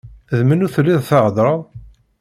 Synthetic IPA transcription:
ðmənʊɾθlːiðˤθəʁd̪ˤɾˤɑðˤ

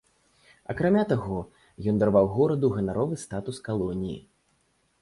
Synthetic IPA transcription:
ɐ̰kɾamʲat̪aɣɔ | jɔnd̪arvawɣɔɾɐd̪uɣɐnaɾɔvɨst̪at̪uskalˠɔnʲijḭ

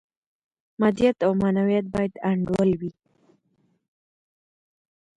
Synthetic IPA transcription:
mad̪ijat̪awmanawijat̪̚bɑjad̪aɳɖwəlwi

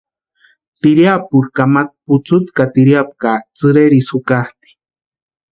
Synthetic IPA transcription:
t̪iɾjapuɾkamat̪̚put͡sut̪kat̪iɾjap̚kat͡sɨɾeɾisukaht̪i̥

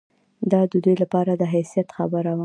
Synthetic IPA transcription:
d̪ɑd̪əd̪ujlapɑɾad̪əɦajsijat̪xa̰bəɾaw

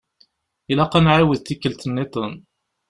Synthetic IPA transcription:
ilaqɑnʕawəðt̪ːikːəlt̪ənːet̪ən

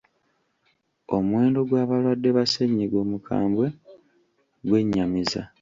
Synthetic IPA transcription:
o̞mwe̞ːndo̞ɡwaːβalwadːe̞βaseɲːiɡo̞ːmukʰa̰ːmbwe̞ | ɡwe̞ɲːamiza̰

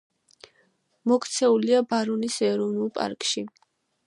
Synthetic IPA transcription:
mɔkʰt̪sʰɛuliabaɾɔnisɛɾɔvnulˠpʼa̰ɾkʼʃi

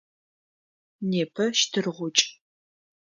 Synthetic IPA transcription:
neːpʰɐʃtʰɨrʁʷʊt͡ʃʼ

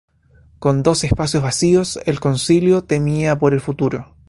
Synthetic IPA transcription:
ko̞nd̪o̞sehpasjozβasioselkonsiljot̪e̞miapo̞ɾe̞lfut̪uɾo

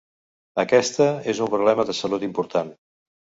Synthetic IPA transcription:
əkɛst̪əezumpɾuβlɛməðəsəlut̪impuɾt̪an

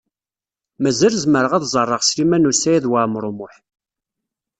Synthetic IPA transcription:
mæzælzməɾəʁæðzˤərˤːəʁslimænusæjæðwamɾˤomʊħ

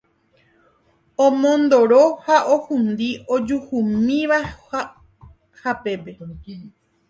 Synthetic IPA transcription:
õmõnd̪oɾohaʔohũnd̪iʔod͡ʒuhumĩʋa | hape̞pe̞

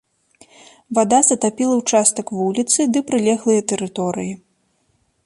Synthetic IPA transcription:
vad̪azɐt̪apʲilˠɐwt͡ʂast̪ɐkvulʲit̪sɨd̪ɨpɾɨlʲɛɣlˠɨjɐt̪ɛɾɨt̪ɔɾɨji

